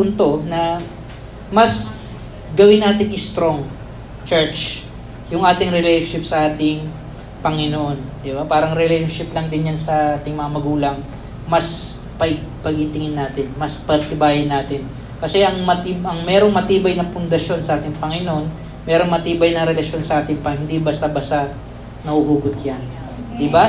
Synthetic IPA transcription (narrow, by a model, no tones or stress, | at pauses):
punt̪o̞nɐ | mɐs | ɡɐwɪnːaːt̪ɪŋɪst̪ɾo̞ŋ | t͡ʃɛɹt͡ʃ | jʊŋʔaːt̪ɪŋɾɪlejʃonʃɪp̚sɐʔaːt̪ɪŋ | pɐŋɪnoʔond̪ɪbapaːɾɐŋɾɪlejʃonʃɪplɐŋd̪ɪnjansɐʔaːt̪ɪŋmɐŋɐamɐɡuːlɐŋ | mɐs | pɐpɐɡɪt̪ɪŋɪnːaːt̪ɪnmɐspɐt̪ɪbaːjɪnːaːt̪ɪn | kɐsɛʔɐŋmɐt̪iʔɐŋmɛɾo̞ŋmɐt̪iːbɐjnɐŋpʊnd̪ɐʃo̞nsɐʔaːt̪ɪŋpɐŋɪnoʔon | mɛːɾo̞ŋmɐt̪iːbɐjnɐŋɾɛlɐʃo̞nsɐʔaːt̪ɪŋpɐhɪnd̪ibɐst̪ɐbɐsɐ | nɐhʊhuːɡʊt̪̚jan | d̪ɪba